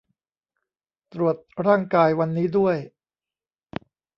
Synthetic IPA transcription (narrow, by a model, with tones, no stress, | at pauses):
t̪ɾu˨˩ət̪̚ɾaː˥˩ŋkaː˧jwa˧nːiː˦˥du˥˩əj